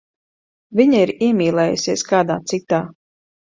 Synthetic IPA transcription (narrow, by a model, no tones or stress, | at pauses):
viɲaiɾiɛmʲiːlˠɛːjṵsiɛskaːd̪a̰ːt̪sit̪aː